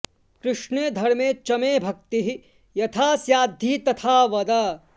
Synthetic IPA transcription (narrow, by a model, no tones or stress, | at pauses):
kɾɪʃneːd̪ʱɐɾmẽːt͡ʃɐmeːbʱɐk̚t̪iɦi | jɐt̪ʰaːsjaːd̪ʱiːt̪ɐt̪ʰaːʋɐd̪ɐ